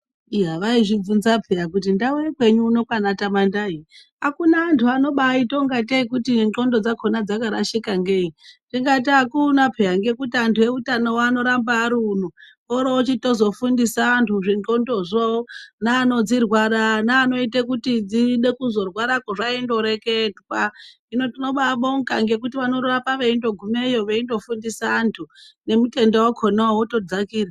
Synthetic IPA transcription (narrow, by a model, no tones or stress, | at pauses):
iɦaʋaiʐib͡vunzapʰeakut̬indaujekwe̞ɲuːno̞kwanatamandai | akunaːntʰuano̞ɓaito̞ŋɡateikutinŋ͡ǃo̞ndod͡zakʰonad͡zakaɾaʃikaŋɡeinʐ̥iŋɡatakunapʰejaŋɡe̞kutiantʰuje̞utanowano̞ɾambaɾun̤u | oɾot͡ʃito̞zo̞fundisaːntʰuʐiŋɡondoʐonaːno̞d͡zirwaɾanaːno̞itekutid͡ziɗe̞kuzo̞rwaɾakoʐaindo̞ɾekedwa | ino̞tino̞ɓaɓoŋkaŋɡe̞k̬utiʋano̞ɾurapaʋeindo̞ɡʱumejoʋeindo̞fundisaːntʰune̞mute̞ndewokʰonaoto̞d͡zakiːra